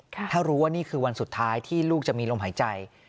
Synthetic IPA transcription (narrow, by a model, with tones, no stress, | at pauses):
t̪ʰaː˥˩ɾuː˦˥waː˥˩niː˥˩kʰɯː˧wa˧nsu˨˩t̪ʰːaː˦˥jt̪ʰiː˥˩luː˥˩k̚t͡ɕa˨˩ʔmiː˧loː˧mɦaː˩˦jt͡ɕa˧j